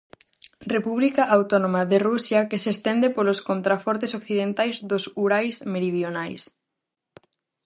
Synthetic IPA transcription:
repuβlikɐʔawt̪ɔnõmaðerusjɐkesest̪ɛnd̪epoloskont̪ɾafɔɾt̪esokθiðent̪ajzðosuɾajsmeɾið̞jonajs

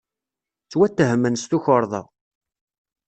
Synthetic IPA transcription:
t͡sːwæt̪ːəɦmːənst̪uçəɾˤðˤɑ̰

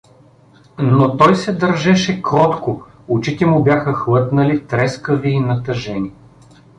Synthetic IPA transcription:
not̪ɔjsɛd̪ɐɾʒɛʃɛkɾɔt̪kʊ | ʊt͡ʃit̪ɛmʊbʲjaxəxlɤt̪nɐlit̪ɾɛskəviːnɐt̪ɐʒɛni

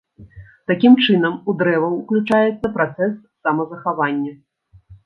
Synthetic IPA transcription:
t̪akʲimt͡ʂɨnɐmud̪ɾɛvɐwuklʲut͡ʂajɛt̪sːɐpɾat̪sɛsːɐmɐzɐxavanʲːɐ

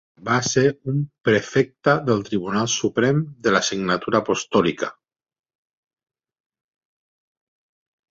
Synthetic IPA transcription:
baseɾumpɾefek̚t̪aðəlˠt̪ɾiβ̞unalˠsupɾɛmd̪əlasiɡnat̪uɾaːpost̪ɔlika

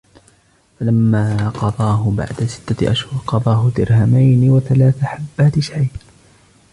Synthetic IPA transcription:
falamːaːqɑd̪ˤɑːɦʊba̰ʕd̪asɪ̥t̪ːaʔaʃhʊɾqɑd̪ˤɑːɦʊd̪ɪɾhamajnɪwaθalaːθaħabːaːt̪ɪʃʕaj

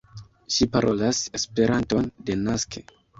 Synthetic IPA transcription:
ʃipaɾʔo̞lase̞spe̞ɾanto̞nde̞naskʰe

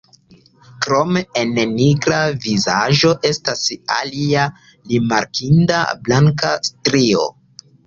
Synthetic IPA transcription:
kɾo̞meenniɡɾavizaʒo̞ʔe̞stasa̰lia | limaɾkʰinda̰blaŋkastɾio̞̰

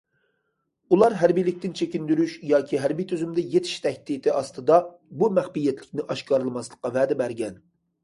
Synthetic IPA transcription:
ulˠɑɾɦæɾbijlɪk̚ʲt̪ɪnt͡ʃʰekʲind̪yɾyʃjɑːkʲʰiɦæɾbijt̪ʰyzymd̪ɛjet̪ʰɪ̥ʃt̪ʰɛhʲt̪it̪ʰɪɑst̪ɨd̪ɑ | bumæχpijɛt̪ʰlɪkʲnɪʔɑʃkʰɑɾlˠɨmɑslˠəqːɑvɛːd̪ɛbæɾɡʲɛn

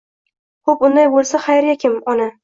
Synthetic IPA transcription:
kopʊnd̪ajbolˠsaχajɾjakʲɪmɒna

